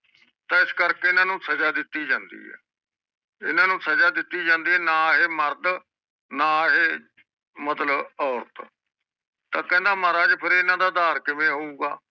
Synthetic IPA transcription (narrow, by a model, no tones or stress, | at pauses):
t̪ãːɪskəɾkeːɪnãːnũːsəd͡ʒaːd̪ɪt̪ːiːd͡ʒãːnd̪ḭːɦɛ̰ː | ɪ̰nãːnũːsəd͡ʒaːd̪ɪt̪ːiːd͡ʒãːnd̪iːɛːnaːɦeːməɾd̪ | naːɦeː | mət̪ləbɔːɾt̪ | t̪ãːkɛ̃ːnd̪aːmaːɾaːd͡ʒpʰɪɾɪnãːd̪aːd̪aːɾkɪmẽːɦoːuːɡaː